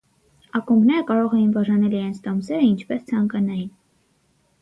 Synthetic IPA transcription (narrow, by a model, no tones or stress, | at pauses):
ɑkumbnɛɾəkɑɾɔʁɛjinvɑʒɑnɛliɾɛnt͡sʰt̪ɔmsɛɾəint͡ʃʰpɛst͡sʰɑŋkɑnɑjin